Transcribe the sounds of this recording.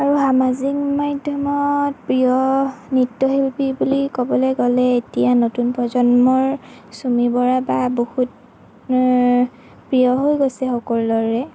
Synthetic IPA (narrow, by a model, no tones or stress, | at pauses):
aɹuxamazikmadʱjɔmɔtpɹijɔnitːɔxilpibulikɔbɔleɡɔlɛetijanotunpɹɔzɔnmɔɹsumibɔɹababohut | pɹijɔɦojɡojsɛxɔkɔllɔɹɛ